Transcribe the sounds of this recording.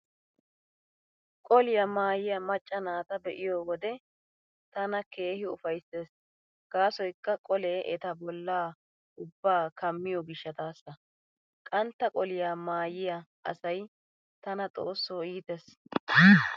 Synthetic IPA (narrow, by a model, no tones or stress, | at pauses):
kʼɔlɪjɐmaːjɪjɐmɐt͡ʃʼːɐnaːt̪ɐbɛʔɪjoːwɔd̪ɛ | t̪ɐnɐke̞ːhɪʊfɐjsːeːs | ɡ̥aːsɔjkːɐkʼɔleʔɛt̪ɐbɔlːaː | ʊbːaːkɐmːɪjɔɡɪʃːɐt̪aːsːɐ | kʼɐnt̪ːɐkʼɔlɪjamaːjɪjɐʔɐ̰sɐj | t̪ɐnɐt͡sʼo̞ːsːoːiːt̪es